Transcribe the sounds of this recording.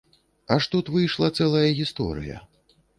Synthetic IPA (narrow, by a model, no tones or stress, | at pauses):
ɐʂt̪ut̪vɨjʂlˠɐt̪sɛlˠɐjɐɣʲist̪ɔ̰ɾɨ̰jɐ̰